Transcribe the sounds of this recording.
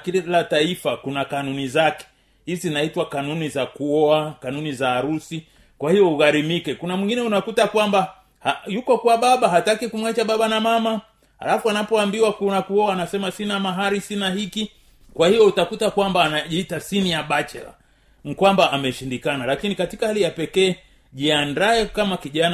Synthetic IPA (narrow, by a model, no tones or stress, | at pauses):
kilataifakunakanunizakɛ̥ | hiznaitwakanunizakuɔakanunizaːɾusi | kwahijɔuɣaɾimikɛkunamwiŋɡinɛunakutakwamba | hajukɔkwaɓaɓaɦatakikumwat͡ʃaɓaɓanamama | ha̰lafuanapɔambiwakunakuɔaːnasɛmasinamaɦaɾisinahiki | kwahijɔutakutakwambaːnaʄiitasinijaɓat͡ʃɛ̰ɾa̰ | nikwambaːmɛʃindikanalakinikatikahalijapɛkɛː | ʄiandaɛkamakiʄan